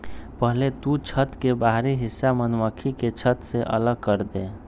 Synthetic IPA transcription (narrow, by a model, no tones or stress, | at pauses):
pəɦlet̪ut͡ʃʰət̪kebaɦɾiɦɪsːamənməkʰiket͡ʃʰət̪seʔə̰ləɡ̚kəɾd̪eː